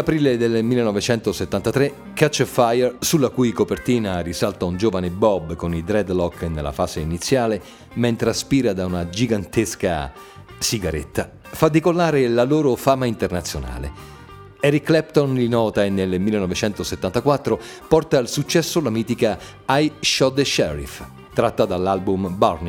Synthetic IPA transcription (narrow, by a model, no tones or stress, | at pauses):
apɾiːled̪elmilːenɔvet͡ʃɛnt̪oset̪ːant̪at̪ɾe | kːat͡ʃfajɛrsulːakujkopert̪iːnarisalt̪aund͡ʒoːvanebɔbkonid̪ɾɛd̪lɔkːnelːa̰faːseinit̪sːjaːle | ment̪ɾeaspiːɾad̪aunad͡ʒiɡant̪eska̰ | siɡaɾḛt̪ːa | fad̪ːikolːaːɾelaloːɾofaːmaint̪ernat̪sːjona̰ːlḛ | ɛɾikːlɛpt̪onlinɔːt̪aenːelmilːenɔvet͡ʃɛnt̪oset̪ːant̪akwat̪ːɾo | pɔrt̪aːlsut͡ʃːɛsːolamiːt̪ika | ajʃɔt̪ːeʃɛɾḭf | t̪ɾat̪ːad̪alːalbumbarni